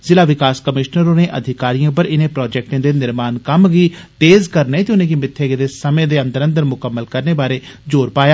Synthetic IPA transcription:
zɪlaːʋɪkaːskəmɪʃnəɾõːneːʔə̰d̪ʱɪkaːɾijãːp̬əɾɪnẽːpɾɔːd͡ʒɛːk̚ʈẽːd̪eːnɪɾmaːnkəmɡiːt̪eːzkəɾneːt̪eʊnẽːkimɪt̪ʰːeːɡed̪eːsəmẽːd̪eːə̃nd̪əɾə̃nd̪əɾmʊkəmːəlkəɾneːbaːɾeːd͡ʒoːɾpaːjaː

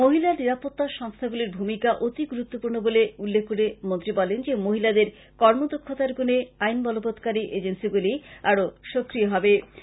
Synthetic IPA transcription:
moɦilaɾniɾapot̪ːaʃɔŋst̪ʰaɡuliɾbʱumikaʔot̪iɡuɾut̪ːopuɾnoboleulːekʰkːoɾemont̪ɾibɔlend͡ʑemoɦilad̪eɾ | kɔɾmod̪okʰːot̪aɾɡuneajnbɔlobod̪kaɾiʔed͡ʑensiɡuliaɾoʃokɾijoɦɔbe

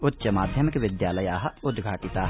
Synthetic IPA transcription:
ʊt̪ːʃɐmaːd̪ʱjɐmɪkʋɪd̪jaːləjaːɦɐʊd̪ɡʱaːʈɪt̪aːɦ

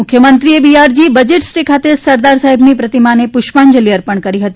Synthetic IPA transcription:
mʊkʰjəmənt̪ɾiebiaɾd͡ʒibəd͡ʒeʈsɾikʰat̪esəɾd̪aɾsaɦibnipɾət̪imanepʊʃʋaɲd͡ʒəlijəɾpəɳkəɾiɦət̪i

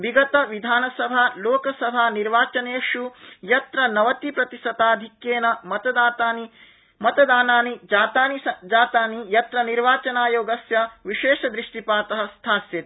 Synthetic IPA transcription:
biɡɐt̪ɐʋid̪ʱaːnɐsɐbʱaːloːkɐsɐbʱaːniɾʋaːt͡ʃɐneːʃujɐt̪ɾɐnɐʋɐt̪ipɾɐt̪isɐt̪aːd̪ʱikjeːnɐmɐt̪ɐaːt̪aːni | mɐt̪ɐd̪aːnaːnid͡ʒaːt̪aːnisɐd͡ʒaːt̪aːnijɐt̪ɾɐniɾʋaːt͡ʃɐnaːjoːɡɐsjɐʋiʃeːʃɐd̪ɾiʂʈipaːt̪ɐɦɐ̆st̪ʰaːsjɐt̪i

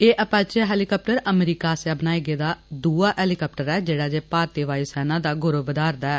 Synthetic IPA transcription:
eːʔəpãːt͡ʃeɦɛːlikɔːp̚ʈəɾəmɾiːkaːsɛːbənaːiɡeːd̪aːd̪uːaːʔɛːlɪkɔːp̚ʈəɾɛːd͡ʒeːɽaːd͡ʒeːpaːɾt̪iːʋaːiːsɛːnãːd̪aːɡʊɾoːbəd̪aːɾd̪aɛː

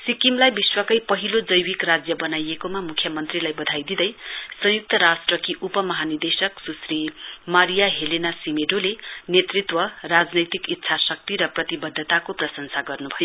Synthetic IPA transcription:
sikimlajbiswʌkʌjpʌɦilod͡zʌjwikrad͡zjʌbʌnajekomamukʰjʌmʌnt̪rilajbʌd̪ʱajd̪id̪ʌjsʌ̃juk̚t̪ʌɾasʈrʌkiʔupʌmʌɦanird̪esʌksusrimaɾijaɦelenasimeɖolenet̪rit̪wʌrad͡znʌjt̪ikit̪ːsʰasʌk̚t̪iɾʌprʌt̪ibʌd̪ʱːʌt̪akoprʌsʌnsaɡʌrnubʱʌjo

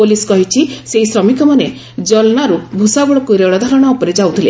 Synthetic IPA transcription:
oliskɔɦit͡ʃʰiseɦisɾɔmikɔmane | d͡ʒɔlnaɾubʱusaɡɔɭɔkuɾeɭɔd̪ʱaɾɔɽ̃ɔːpɔɾed͡ʒawt̪ʰile

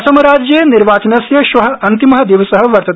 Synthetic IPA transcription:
sɐmɐɾaːd͡ʒjeniɾʋaːt͡ʃɐnɐsjɐʃʋɐɦɐɐnt̪imɐɦɐd̪iʋɐsɐɦɐʋɐɾt̪ɐt̪

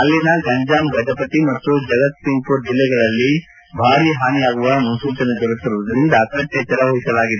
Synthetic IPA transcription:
ɐlːinɐɡɐɲd͡ʒaːmɡɐʈɐpɐʈ̪imɐt̪ːud͡ʒɐɡɐt̪̚siŋkud͡ʒilːɛɡɐɭɐlːi | bʱaːɾiɦaːnijaːɡuʋɐmɐnsuːt͡ʃɐnɐɡɐɾut̪ːiɾuʋɐd̪ɐɾind̪ɐkɐt̪jɐt͡ʃɐɾɐʋɐɦisɐlaːɡid̪e

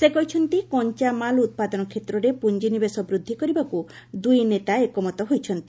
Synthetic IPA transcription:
sekɔɦijt͡ʃʰɔnt̪ikɔɲt͡ʃamalut̪̚pad̪ɔnɔkʰet̪ɾɔɾepuɲd͡ʒinibesɔbɾud̪ʱːikɔɾibaku | d̪ujnet̪aekɔmɔt̪ɔɦojt͡ʃʰɔnt̪i̥

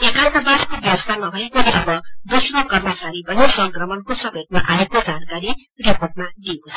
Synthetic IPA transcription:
ekant̪abaskobjʌwʌst̪ʰanʌbʱʌekoneʔʌbʌd̪usrokʌrmʌt͡saɾipʌnisʌŋkrʌmʌnkosʌbʱet̪̚maʔaekod͡zankaɾi | riporʈ̚mad̪ijekot͡sʰʌ

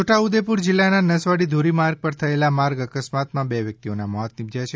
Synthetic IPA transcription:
t͡ʃʰoʈaud̪epuɾd͡ʒɪlːananəsʋaɽid̪ʱoɾimaɾɡ̚pəɾt̪ʰəelamaɾɡəkəsmat̪mãbeʋjək̚t̪ionamɔɦət̪nɪbd͡ʒ̪at͡ʃʰe

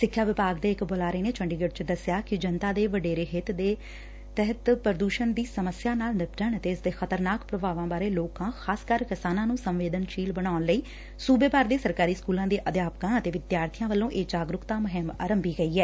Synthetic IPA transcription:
sɪkʰːjaːʋɪpaːɡd̪eːɪkboːlaːɾeːneːt͡ʃʰəɳɖiːɡəʈt͡ʃəd̪əsɪjaːkɪd͡ʒənt̪aːd̪eːʋəɖeːɾeːɦɪt̪d̪eː | t̪ɛɦət̪pəɾəd̪uːʃənd̪iːsəməsjaːnaːlnɪpʈəɳət̪eːɪsd̪eːxʰət̪əɾnaːkpɾəbaːʋãːbaːɾeːloːkãːxʰaːskəɾkɪsaːnãːnũːsə̃mʋeːd̪ənʃiːlbəɽaːʊnləiː | suːbeːbaːɾd̪eːsəɾkaːɾiːskuːlãːd̪eːʔəd̪jaːpkãːət̪eːʋɪd̪jaːɾt̪ʰijãːʋəlːõːʔeːd͡ʒaːɡɾʊkt̪aːmʊɦɪma̰ːɾəmbiːɡəiːɛː

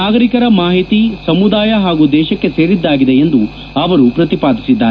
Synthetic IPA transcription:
aːɡɐɾikɐɾɐmaːɦit̪isɐmud̪aːjɐɦaːɡud̪ɛːʃɐkːe̞se̞ːɾid̪ːaːɡid̪e̞end̪u | ɐʋɐɾupɾɐt̪ipaːd̪ʱisid̪ːaːɾe

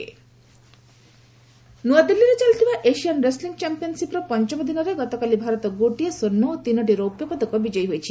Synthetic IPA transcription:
nuad̪ilːiɾet͡ʃalt̪ʰibaʔeʃianɾesliŋɡt͡ʃampiɔnsipɾɔpɔnt͡ʃɔmɔd̪inɔɾeɡɔt̪ɔkalibʱaɾɔt̪ɔɡoʈiɔsonːɔot̪inɔʈiɾɔupjɔbɔd̪ʱɔkɔbid͡ʒɔjɦojt͡ʃʰi̥

